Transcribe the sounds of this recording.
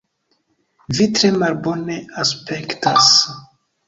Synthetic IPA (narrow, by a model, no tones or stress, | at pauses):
vitɾe̞malbo̞ne̞aspe̞ktas